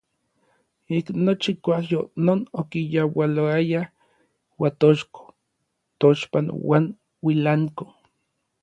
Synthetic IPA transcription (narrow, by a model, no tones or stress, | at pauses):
iknot͡ʃikʷahjonoːnokijawaloaja | wat̪oʃko̥ | t̪oʃpanwa̰ːn | wilaŋko